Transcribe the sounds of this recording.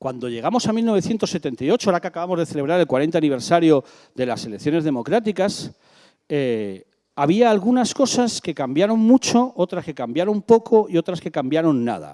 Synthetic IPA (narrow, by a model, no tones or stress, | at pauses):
kwand̪oʎe̞ɣ̞amo̞samilno̞βe̞θje̞nt̪o̞sːe̞t̪e̞nt̪ajo̞t͡ʃoaɾakeakaβamozðe̞θe̞leβɾaɾe̞lkwaɾe̞nt̪aniβ̞e̞ɾsaɾjo̞ | ðe̞lase̞le̞kθjo̞ne̞zð̞emo̞kɾat̪ikas | e | aβ̞iaːlɣ̞unasko̞saske̞kambjaɾo̞ŋmut͡ʃo̞ot̪ɾaske̞kambjaɾompo̞kʰo̞io̞t̪ɾaske̞kambjaɾo̞nːa̰ð̞a̰